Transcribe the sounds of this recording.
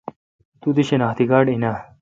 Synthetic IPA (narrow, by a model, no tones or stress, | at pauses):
t̪ud̪iɕenaːt̪iɡaːɖina